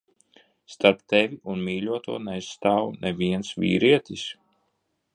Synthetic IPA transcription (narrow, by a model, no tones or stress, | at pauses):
st̪aɾp̚t̪evʲiʔunmiːlʲuɔt̪uɔnɛjst̪aːwnʔeviɛnsvʲḭːɾiɛt̪ʲis